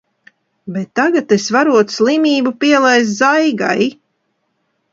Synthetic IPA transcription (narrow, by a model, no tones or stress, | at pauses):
bet̪ːaɡat̪esvaɾuɔt̪slˠimʲiːbupiɛlˠɛjz̬zajɡa̰j